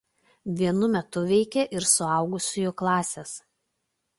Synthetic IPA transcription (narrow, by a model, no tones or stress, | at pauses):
ʋʲiɛnʊmʲɛt̪ʊʋʲɛɪkʲɛʔɪɾsʊɑˑʊɡʊsʲʊjoklˠɑːsʲes